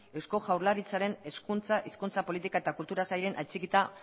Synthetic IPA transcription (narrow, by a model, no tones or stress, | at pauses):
e̞wsko̞ʝawɾlaɾit͡saɾe̞ne̞skunt͡saʔiskunt͡sapo̞lit̪ikae̞t̪akult̪uɾasajɾe̞nʔajt͡ʃikit̪a